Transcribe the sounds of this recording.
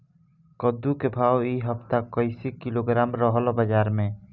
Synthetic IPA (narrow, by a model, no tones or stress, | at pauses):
kɔd̪ukebʱawiɦəpt̪akɔjsikiloɡɾamɾɔɦɔlɔbəd͡ʒaɾmẽ